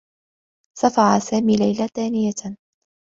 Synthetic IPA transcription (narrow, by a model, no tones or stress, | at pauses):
safɑʕasaːmiːlajlaθaːnɪja